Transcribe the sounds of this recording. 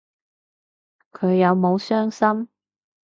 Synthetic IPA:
kʰɵ˨˧ɥjɐ˨˧wmo˨˧wsœː˥ŋsɐ˥m

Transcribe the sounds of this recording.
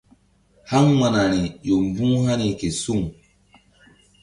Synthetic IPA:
ha˦ŋma˨na˨ni˨jo˨m˨bũ˦ha˦ni˨ke˨su˦˨ŋ

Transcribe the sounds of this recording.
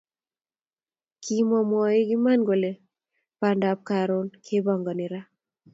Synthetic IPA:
kʰi˦mɔ˨mɔ˨ɪ˦ɡɪ˦ma˦nɡo˨le˨ | pa˨nda˨˦p̚ka˨ɾʊ˦nkʰe˦bɔ˨ŋɡɔ˨nɪ˨ɾa˦

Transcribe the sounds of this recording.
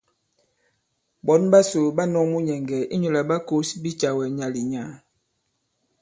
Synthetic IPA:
bɔ˨˦nba˦so˨ba˦nɔ˦mu˦ɲɛ˨ŋɡɛ˨i˦ɲo˨la˨ba˦ko˦sbi˦t͡ʃa˨wɛ˨ɲa˨li˨ɲa˨˦

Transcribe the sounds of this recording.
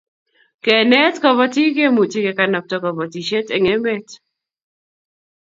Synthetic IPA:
kɛ˨nɛ˦tkɔ˨βɔ˦ti˦ɡe˦mu˨ti˦ke˨ka˨nɔ˨p̚tɔ˨kɔ˨bɔ˨ti˨ʃe˦tɛ˨ŋe˦mɛ˦t

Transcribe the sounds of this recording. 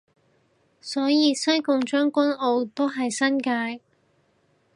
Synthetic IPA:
sɔː˨˥jiː˨˧sɐ˥jkʊ˨˧ŋt͡ʃœː˥ŋkʷɐ˥no˨˧wt̪o˥wɦɐ˨jsɐ˥nkaː˧j

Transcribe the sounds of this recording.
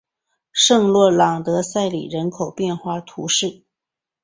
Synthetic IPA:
ʂɤ˥˧ŋlwɔ˥˩lɑ˨˩ŋt̪ɤ˧˥sa˥˩ɪlḭ˨˩ɻə˧˥nkʰo˨˩ʊpjɛ˥˧nxwa˥˩t̪ʰṵ˧˥ʂɻ̩˥˩

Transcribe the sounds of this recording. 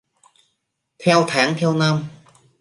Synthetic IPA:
t̪ʰɛ˧wt̪ʰaː˨˦˥ŋt̪ʰɛ˧wna˧m

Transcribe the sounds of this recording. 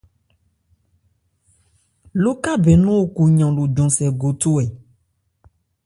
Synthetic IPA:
lo˦ka˦bɛ˨nũ˦wo˦ku˨ɲã˨lo˨d͡ʒɔ̃˨sɛ˨ɡo˨t̪o˦ɛ˨

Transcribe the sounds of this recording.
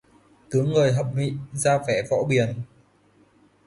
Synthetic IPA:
t̪ɨ˨˦əŋːɨː˨˩jɦə̰˧˨p̚mḭ˧˨zaː˧vɛ˧˩vɔ̰˧˥ɓi˨˩ən

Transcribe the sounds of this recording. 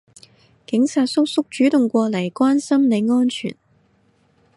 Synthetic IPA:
kɪ˨˥ŋsa˨t̚sʊ˥k̚sʊ˥k̚t͡ʃyː˨˥t̪ʊ˨ŋkʷɔː˧lɐ˨˩jkwaː˥nsɐ˥mne˨˧ŋɔː˥nt͡ʃʰy̰ː˨˩n

